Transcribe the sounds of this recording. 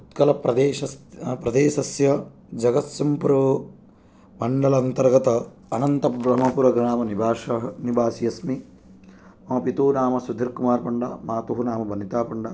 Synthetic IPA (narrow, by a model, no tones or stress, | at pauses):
ut̪kɐlɐpɾɐd̪eːʃɐspɾɐd̪eːʃɐsjɐ | d͡ʒɐɡɐt̪sɐmpuɾ | mɐɳɖɐlɐːnt̪ɐɾɡɐt̪ɐɐnɐnt̪ɐbɾɐmɐpuɾɐɡnaːmɐnibaːʃɐɦɐnibʱaːsijɐsmi | mɐːɐpit̪uːnaːmɐsud̪ʱːiɾkumaːɾpɐɳɖɐ̰maːt̪uɦunaːmɐbʱɐnit̪aːpɐɳɖɐ